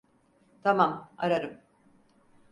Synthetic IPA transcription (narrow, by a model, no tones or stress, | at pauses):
t̪ʰamamaɾaɾɯm